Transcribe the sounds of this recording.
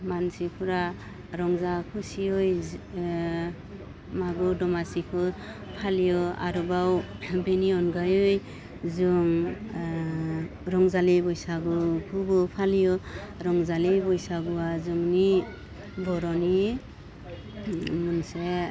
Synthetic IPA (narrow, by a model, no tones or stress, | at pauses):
mansikʰuɾa | ɾɔŋzakʰusiɯj | maɡudɔmasikʰɯ | pʰalijɔa̰ɾubawbeniɔnɡajɯj | zuŋ | ɾɔŋzalibɔjsaɡukʰuɡɔpʰalijɔɾɔŋzalibɔjsaɡuwazuŋni | bɔɾɔni | munse